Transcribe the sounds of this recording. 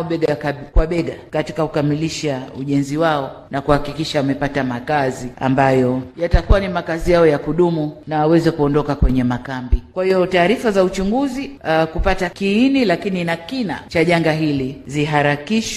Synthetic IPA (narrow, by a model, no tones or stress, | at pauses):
ɓɛɡakkwaɓɛɡakatikakukamiliʃauʄɛnziwaɔnakuhakikiʃawamɛpatamakazia̰mbajɔjatakuwanimakazijaɔjakuɗumunawawɛzɛkuɔndɔkakwɛɲɛmakambikwahiɔtaːɾifazaut͡ʃuŋɡuzikupatakiinilakininakina̰t͡ʃaʄaŋɡaɦiliziɦaɾakiʃ